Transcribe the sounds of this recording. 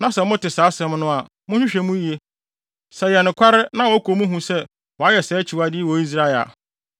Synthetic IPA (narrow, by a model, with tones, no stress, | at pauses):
nã˨sɛ˨mʊ̃˦tɪ˨saː˨˦sɛ̃˦mnʊ̃˦a˨ | mʊ̃˦ɕᶣʊ̃˦ɕᶣɛ˨mũ˦ji˨e˦ | sɛ˨jɛ˨nʊ̃˨kʰʷa˦ɾɪ˦nã˦wɔ˨˦kʰo˨mũ˦ɦũ˦sɛ˦ | wɔ˨a˦jɛ˨sɛː˨˦t͡ɕʰi˨wa˦dɪ˦wɔ˨˦i˦s̬ɾa˦ɛ˨a̰˨